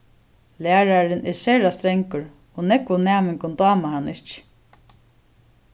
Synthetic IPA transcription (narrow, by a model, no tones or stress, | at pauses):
læːɹaɾɪnʔɛɹsɛɾast̪ɾɛŋkʊɹ | ɔnɛkʋʊnæːmɪŋkʊnt̪aːmahanːʔɪht͡ʃ